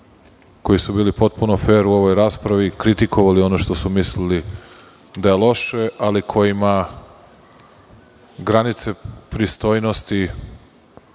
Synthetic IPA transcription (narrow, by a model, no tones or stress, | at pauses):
ko̞jisubiːlipo̞t̪̚punofe̞ːɾuo̞ʋo̞jɾaːspɾaʋikɾit̪ikʰo̞ʋalio̞noʃt̪o̞sumislili | d̪ajelˠo̞ʃe̞ʔalikʰo̞jima | ɡɾanit̪se̞pɾist̪o̞ːjno̞st̪i